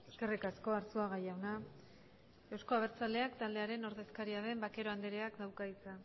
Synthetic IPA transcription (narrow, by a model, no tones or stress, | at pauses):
eske̞rikasko̞aɾsuaɣajawna | e̞wsko̞aβ̞e̞ɾt͡sald̪e̞akt̪ald̪eaɾe̞no̞ɾðe̞skaɾiað̞e̞mbake̞ɾo̞and̪eɾeakd̪awkaðit͡sa